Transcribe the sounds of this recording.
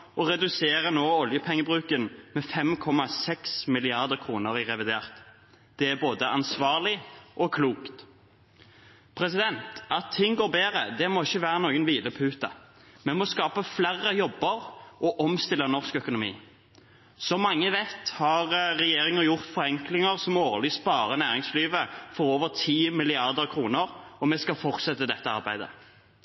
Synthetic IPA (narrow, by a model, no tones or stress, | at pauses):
ɔʁɛd̪ʉseːɾənoːɔljəpʰɛŋːəbʁʉːkənmɛfɛmkʰɔmɑsɛksmɪlɪɑʁd̪əkʰʁuːnəɾɪʁɛʋɪd̪eːʁt̪ | d̪̥ɛæboːd̪əʔɑnsʋɑːʁlɪʔɔkʰluːkt̪ | pʰɾɛsɪd̪ɛnt̪ɑt̪ʰːɪŋːɡoːʁbeːʁəd̪ɛmɔɪçːəʋæːʁənoːɡənʋiːləpʰʉːt̪ɑ | mɛmɔskɑːpəflæʁːəjɔbːəɾʔɔʔɔmst̪ɪlːənɔʁskœkʊnʊmḭː | sɔmɑŋːəʋɛt̪hɑʁːɛjeːɾɪŋəɾjʊʁt̪fɔʁɛŋklɪŋəʁsɔmoːlɪspɑːɾənæːʁɪŋsliːʋəfɔɾoːʋəʁt̪ʰiːmɪlɪɑʁd̪əʁkʰɾuːnəʁɔmɛskɑfɔʁt̪sɛt̪ːəd̪ɛt̪ːəɑ̰ɾbæɪd̪ə̰